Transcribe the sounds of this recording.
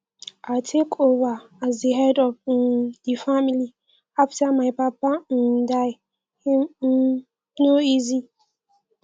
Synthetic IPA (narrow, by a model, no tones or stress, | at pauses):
atʰekʰova | azdeɦɛdɔvdifamili | aftamaɪpapan̩daɪ | him | noizi